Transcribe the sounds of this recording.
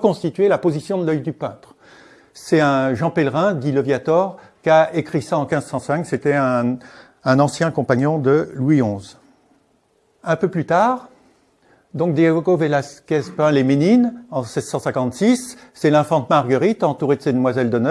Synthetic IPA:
kɔ̃st̪it̪ɥelapozisjɔ̃d̪əlœjd̪ypɛ̃t̪χ | sɛɛ̃ʒɑ̃pɛlʁɛ̃d̪iləvjat̪ɔʁ | kaekχisaɑ̃kʲɛ̃zsɑ̃sɛ̃kset̪ɛɛ̃ː | nɑ̃sjɛ̃kɔ̃paɲɔ̃d̪əlwiɔ̃z | ɛ̃pøplyt̪aʁ | d̪ɔ̃k̚d̪aɡoɡovelaskʲɛzpɛ̃lemeninɑ̃sɛzsɑ̃sɛ̃kɑ̃t̪sisː | ɛlɛ̃fɑ̃t̪maʁɡəʁit̪ɑ̃t̪uʁed̪əsed̪əmwazɛld̪ənœ

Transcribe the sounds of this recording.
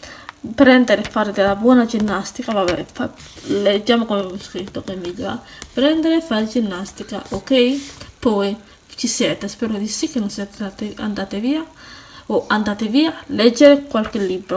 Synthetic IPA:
pɾend̪eɾefaɾd̪elabwenad͡ʒinːast̪ikaβaβefa | led͡ʒamokomemusket̪okemiʎa̰pɾend̪eɾefad͡ʒinːast̪ika̰ʔokejpoe | t͡ʃiset̪aspeɾod̪isikenoset̪t̪ea̰nt̪at̪eβiaoʔant̪at̪eβialed͡ʒeɾekwalkelibɾo

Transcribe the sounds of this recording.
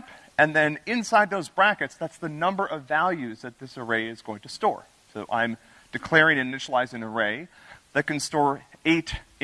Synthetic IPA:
ɨ̃nðɨ̃nɪ̃nsaɪd̪̚ðoʊzbɹækɨtsðætsðɨnʌ̃mbə˞ʔʌvælˠjʉzðɨt̪̚ðɪsə˞eɪɨzɡ̥oʊɪ̃ŋtʰɨstɔ̰ɹ | soʊʔã̰ɪ̃m | d̥ɨkʰl̥ɛɹɪ̃ŋɨnɪʃl̩ˠaɪzɪ̃ŋəɹeɪ | ðɨt̚kɨ̃n̩stɔɹeɪɾ

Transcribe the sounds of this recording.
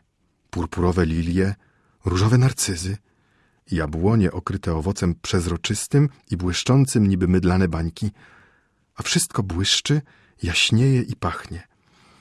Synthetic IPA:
puɾpuɾɔvɛlʲilʲjɛ | ɾuʐɔvɛnaɾt̪sɘzɘ | jabwɔɲɛʔɔkɾɘt̪ɛɔvɔt̪sɛmpʂɛzɾɔt͡ʂɘst̪ɘmibwɘʂt͡ʂɔnt̪sɘmɲibɘmɘd̪lanɛbaɲkʲi | afʂɘst̪kɔbwɘʂt͡ʂɘ | jaɕɲejɛʔipaxɲɛ

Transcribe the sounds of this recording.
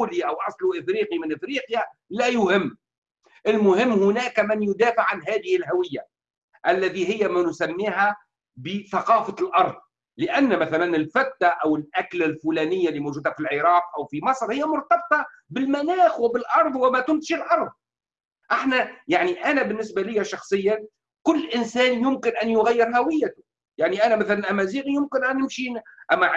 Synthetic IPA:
liʔawʔɑsˤluʔɪfɾiːqimɪnʔɪfɾiːqjalæːjʊhɪmː | ʔɪlmʊhɪmːhʊnæːkmɪnjʊd̪æːfɪʕʕanɦæːðɪhɪlhawɪjːa | ʔælːæt̪iɦɪjːæmænʊsæmːiːhæ | bɪθɑqɑːfalʔɑɾˤðˤ | lɪʔænːmæθælænɪlfat̪ːaʔawɪlʔaklalfulæːnɪjːalːiːmowʒuːd̪hæfilʕɪɾɑːqʔawfimɑsˤɾhɪjːæmʊɾt̪ɑb̚t̪ˤɑ | bɪlmænæːxwɪbɪlʔɑɾˤðˤwɪmæt̪ʊnt̪ɪ̥ʃɪlʔɑɾˤðˤ | ʔɪħnæjaʕniʔænæbɪnːɪsbalɪjːaʃɑxsˤɨjːa | kʊlːʔɪnsæːnjʊmkɪnʔænjʊɣajːɪɾɦæwɪjːat̪ʊ | jaʕniʔænæmæθælænʔæmæziːɣijʊmkɪnʔænːɪmʃiːnʔæmːæ

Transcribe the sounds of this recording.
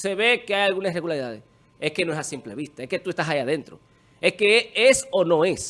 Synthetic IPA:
se̞βe̞keajalɣunasreɣulaɾiðaðes | e̞hke̞noesasimple̞βist̪aehke̞t̪uest̪asajaðe̞nt̪ɾo̞̰ | e̞hkeesono̞e̞s

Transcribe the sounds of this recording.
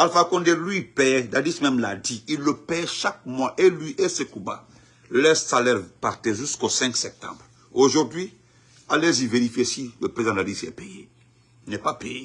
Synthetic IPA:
alfakɔ̃nd̪elɥipɛdadismɛ̃mlad̪iilːəpɛʃak̚mwaʔelɥiʔɛsekũba̰ | lɛsalɛʁpaʁt̪eʒyskosɛ̃ŋksɛp̚t̪ã̰bʁ | oʒuʁd̪ɥi | aleziveɾifjesiləpɾezãdadisɛ̰peje | inɛpapeje

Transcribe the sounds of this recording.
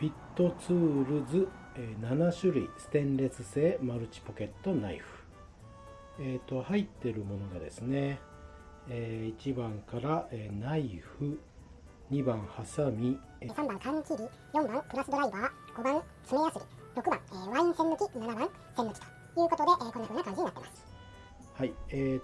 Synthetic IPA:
pʲit̪ːo̞t͡sɨːɾɯ̟zɨ | eːnanaɕɨɾɯ̟ḭsɨ̥t̪ẽ̞nɾe̞t͡sɨse̞ːmaɾɯ̟t͡ɕi̥po̞ke̞t̪ːo̞naiɸɯ̟̥ | et̪ːo̞hait̪ːe̞ɾɯ̟mo̞no̞ɡad̪e̞̰sɨne̞ | eːit͡ɕibãŋkaɾaʔeːnaiɸɯ̟ | ɲ̟ibãɰ̃hasamʲi | esãmbãŋkãɲt͡ɕiɾʲi | jõ̞mbãŋpɯ̟ɾasɨd̪o̞ɾaibaːɡ̥o̞bãñ | t͡sɨmejasɨɾʲiɾo̞kɯ̟bã̰ŋeːβãĩɰ̃sẽnːokʲinanabãŋ | sẽnokʲi̥t̪o̥ | jɯ̟ːko̞t̪o̞d̪e̞ʔko̞nːakɯnːakãɲd͡ʑiɲ̟inat̪ːema̰sɨ̥ | haieː

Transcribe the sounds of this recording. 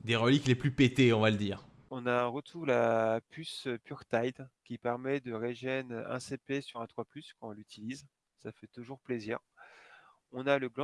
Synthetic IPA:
d̪eʁəlikleplypet̪eɔ̃valəd̪iːʁ | ɔ̃naɛ̃ʁət̪ʰuʁlapʰyspyʁt̪ajd̪kʲipɛʁmɛd̪əʁeʒɛnɛ̰̃sepesyʁɛ̃t̪χwaplyskɑ̃ɔ̃lyt̪ʰiliz | safɛt̪uʒuʁplezḭːʁ | ɔ̃naləɡlɑ̃

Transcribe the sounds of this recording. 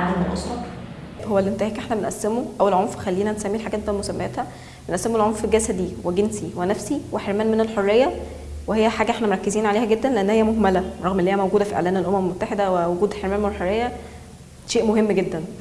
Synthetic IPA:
d̪ælmo̰ʔɑ̰sˤːɑɾˤ | howːælːʔent̪ehæːkʔeħnæbenʔæsːemoʔæwːælʕomfxælːiːnænsæmːiːħaɡæːt̪emet̪ːælmosæmːæjæt̪hæ | benʔæsːemolʕomfeɡæsæd̪iweɡensiwenæfsiweħeɾmæːnmenelħorˤːejːæ | wehejːæħaːɡæʔeħnæmoɾˤɑkːeziːnʕaleːhæɡed̪ːænleʔænːhejːæmohmælæɾˤɑɣmʔelːejːæmæwɡuːd̪æfiʔḛʕlæːnelʔomæmelmot̪ːaħed̪æwewoɡuːd̪ħeɾmæːnmenelħorˤːejːæ | ʃeːʔmoɦemːɡed̪ːæn

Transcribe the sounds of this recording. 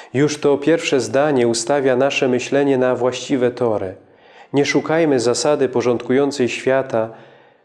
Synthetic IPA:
juʂt̪ɔpʲjɛɾfʂɛzd̪aɲɛust̪avʲjanaʂɛmɘɕlɛɲɛnavwaɕt͡ɕivɛt̪ɔɾɘ | ɲɛʂukajmɘzasad̪ɘpɔʐɔnt̪kujɔnt̪sɛjɕfʲjat̪a

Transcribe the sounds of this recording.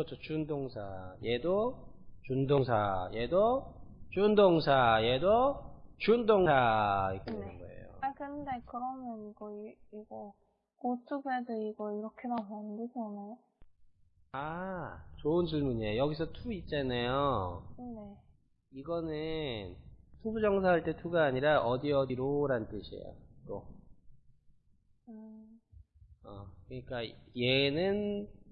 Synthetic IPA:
ʌt͡ɕʰot͡ɕundoŋsʰa̰je̞do | t͡ɕundoŋs̬ʰa̰jedot͡ɕundoŋsʰajedot͡ɕundoŋsʰait͈ʌɯnɡʌ̰ḛjo̰akɯnɯnde̞kɯɾʌmjʌniɡʌiiɡʌ | kotʰuɡedɯiɡʌiɾʌkʰemanannded͡ʑanajo | a | t͡ɕoɯnt͡ɕiɭmuɲejojʌɡisʰʌtʰuit͡ɕ͈anajo | ne | iɡʌnɯntʰubud͡ʑʌŋsʰaaɭt͈e̞tʰuɡaːɲiɾaʔʌdiʌdiɾoɾannt͈ɯɕʰiḛjo̰kʌ | ɯ | ʌ̰kɯɲik͈ajenɯn

